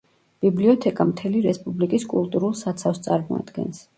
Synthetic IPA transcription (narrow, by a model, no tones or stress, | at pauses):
b̥ibliɔt̪ʰɛkʼamt̪ʰɛliɾɛspʼublikʼiskʼulˠt̪ʼuɾulˠsat̪sʰafst̪sʼaɾmɔ̰a̰d̪̥ɡɛ̰ns